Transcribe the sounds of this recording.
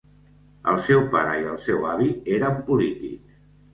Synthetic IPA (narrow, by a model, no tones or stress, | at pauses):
ə̰lˠsɛwpaɾəiəlˠsɛwaβ̞ieɾəmpulit̪ḭk